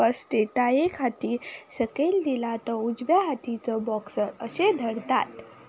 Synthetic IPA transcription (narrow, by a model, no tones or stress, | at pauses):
əsʈeʈ̪ajekʰat̪isəkeld̪ilat̪əud͡zʋjaɦat̪it͡səbɔksəɾəɕed̪ʱəɽt̪a̰t̪